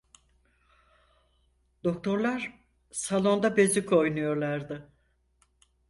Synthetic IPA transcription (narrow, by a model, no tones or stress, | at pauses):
d̪̥o̞k̚t̪ʰo̞ɾlˠaɾ | salˠo̞nd̪abe̞zykʰo̞jnujo̞ɾlˠaɾd̪ɯ